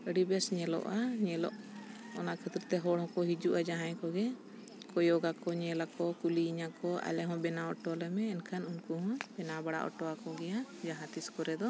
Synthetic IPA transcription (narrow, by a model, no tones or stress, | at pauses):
əɽibɛsɲɛlɔ̰ʔaɲɛlɔ̰ʔ | ɔnaʔkʰət̪ɾt̪ɛɦɔɽhɔ̃kɔɦid͡ʒuʔad͡ʒaɦãjkɔɡɛ | kɔjɔɡakɔɲɛlakɔkuliːɲakɔʔa̰lɛɦɔ̃bɛnaɔʈɔlɛmɛːnkʰanunkuɦɔ̃bɛnabaɽa̰ʔɔ̰ʈɔakɔɡɛjad͡ʒaɦãt̪iskɔɾɛd̪ɔ